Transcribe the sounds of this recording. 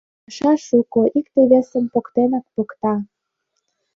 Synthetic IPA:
ʃɑʃukoʔikt̪eβesə̆mpokt̪enɑk̚pokt̪ɑ

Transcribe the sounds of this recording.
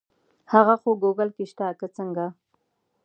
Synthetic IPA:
haɣaxoɡoɡalkiʃt̪akət͡səŋɡa

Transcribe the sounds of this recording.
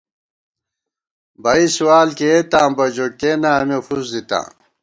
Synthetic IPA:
bɐisuwaːlket̪ãːmbɐd͡ʑoʈ̚kenamefʰuzd̪it̪ã̰ː

